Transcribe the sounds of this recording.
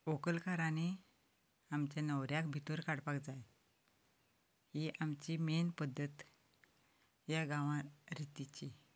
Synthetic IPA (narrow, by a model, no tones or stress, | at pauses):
okəlkaɾani | amt͡ɕjanəwɾjakbʱit̪uɾkaɽpakd͡zaj | hiʔamt͡ɕimenpəd̪ʱːət̪ | jaɡãʋãɾit̪it͡ɕi